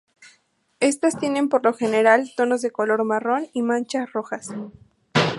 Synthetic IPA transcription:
e̞st̪ast̪jene̞mpo̞ɾlo̞xe̞ne̞ɾalt̪o̞no̞zðeko̞lo̞ɾmaro̞nimãnt͡ʃasro̞xas

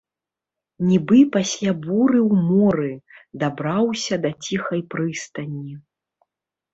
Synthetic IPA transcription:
nʲibɨpasʲlʲabuɾɨwmɔɾɨd̪abɾawsʲɐd̪at͡sʲixɐjpɾɨst̪ɐnʲːi

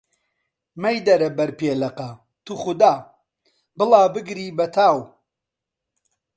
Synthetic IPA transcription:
mɐjd̪ɐɾɐbɐɾpeːlɐqɐ | t̪uxʊd̪aː | bɨlˠaːbɨɡɾiːbɐt̪ʰaːw

